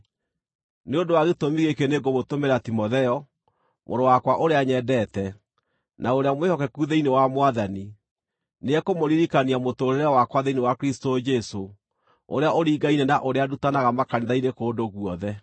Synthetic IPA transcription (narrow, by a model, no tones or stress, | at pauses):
neondowaɣetomiɣekeneɡomotomeɾatimoðɛɔ | mʔo̰ɾowakwaʔoɾeaɲɛdɛːtɛ | naoɾeamwehɔkɛkuðeinewamwaðani | neɛkomoɾiɾikaniamotoːɾeɾawakwaðeinewakɾistod͡ʒɛso | o̰ɾeaoɾiɡainɛnaʔoɾeadutanaɣamakaneðainekoːdoɣuɔðɛ